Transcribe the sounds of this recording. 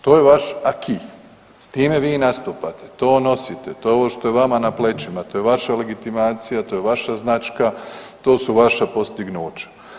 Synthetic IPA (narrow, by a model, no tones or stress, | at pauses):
t̪o̞ːjeʋaʃakʰi | st̪iːme̞ʋiːnast̪uːpat̪e̥t̪o̞ːno̞sit̪et̪o̞ːjeo̞ʋoʃt̪o̞jeʋamanaplet͡ʃimat̪o̞ːjeʋaʃale̞ɡit̪imaːt̪sijat̪o̞ːjeʋaʃaznat͡ʃkat̪o̞ːsuʋaʃapo̞st̪iɡnuːt͡ʃḁ